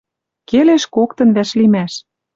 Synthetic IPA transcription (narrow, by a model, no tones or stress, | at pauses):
keleʃkokt̪ɤ̆nβæʃlimæʃ